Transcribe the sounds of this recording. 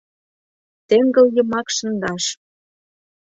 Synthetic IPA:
t̪eŋɡə̆ljɤ̆mɑkʃɤ̆nd̪ɑʃ

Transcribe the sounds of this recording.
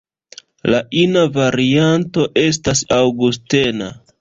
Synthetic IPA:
laʔinavaɾianto̞ʔe̞s̬tasawɡuste̞na̰

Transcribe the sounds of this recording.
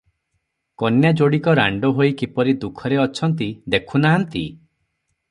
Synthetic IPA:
kɔnjad͡ʒoɽikɔɾa̰ɳɖɔɦoikipɔɾid̪ukʰɔɾeɔt͡ʃʰɔnt̪id̪ekʰunaɦant̪i

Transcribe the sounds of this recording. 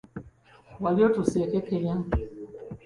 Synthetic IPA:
waljotusɛkekejã

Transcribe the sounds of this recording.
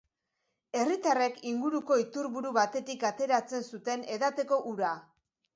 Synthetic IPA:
e̞rit̪are̞kiŋɡuɾuko̞it̪uɾβuɾuβat̪e̞t̪ikat̪e̞ɾat͡se̞nsut̪e̞ne̞ðat̪e̞ko̞ʔuɾa

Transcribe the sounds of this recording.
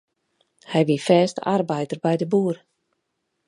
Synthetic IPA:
hɛjʋifɛːstarbɛjtərbɛjdəbuər

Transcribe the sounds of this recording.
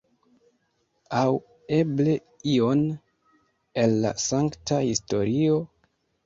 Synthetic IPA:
aw | e̞ble̞ | io̞n | e̞lːa̰saŋktahisto̞ɾio̞

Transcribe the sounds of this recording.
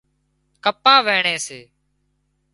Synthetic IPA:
kəpãːʋeːɳeːseː

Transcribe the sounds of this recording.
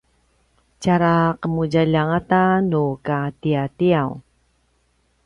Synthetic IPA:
t͡ɕaɾaqəmuɟaʎaŋatanukatiatiaw

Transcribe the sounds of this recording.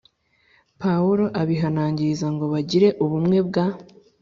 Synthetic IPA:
pauɾo̞ʔaβiɦanaːɲɟizaŋɡo̞βaɟiɾe̞ʔuβumŋe̞bɡa

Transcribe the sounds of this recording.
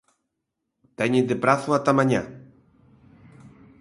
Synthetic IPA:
t̪ɛɲid̪epɾaθuat̪amãɲa̰

